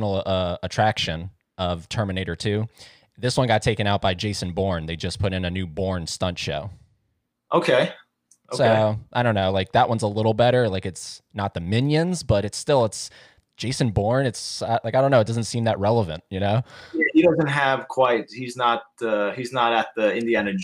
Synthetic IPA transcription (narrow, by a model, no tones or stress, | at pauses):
nl̩ˠʌətʰɹ̥ækʃɨ̃n | ʌv̥tʰɜ˞mɨneɪɾə˞tʰʉ | ðɪswʌ̃nɡɑtʰeɪkɨ̃ñaʊt̚b̥aɪd͡ʒeɪsɨ̃n̩bɔɹnðeɪd͡ʒʌspʰʊɾɨ̃nɨnʉbɔɹnstʌ̃nʃo̰ʊ | ʔoʊkʰeɪ | oʊsoʊʊʔaɪɾõʊ̃nːoʊlaɪk̚ðəʔ̚wʔʌ̃nzəlɪɾl̩ˠbɛɾə˞laɪkɨtsnət̪̚ðɨmɪ̃njɨ̃nzbʌɾɨtstɪlˠəts | d̥ʒ̥eɪsɨ̃nbɔɹnɨtsaɪlaɪkaɪõʊnoʊt̚d̥ʌzɨ̃n̩tsĩmðəʔ̚ɹɛlˠəvɨ̃nt̚jɨnoʊjæhiɾʌzɨ̃nt̚ɦɨv̥kʰw̥aɪt̚hiznət̚ʌiznəɾɨt̪̚ðiɪ̃ndiænɨ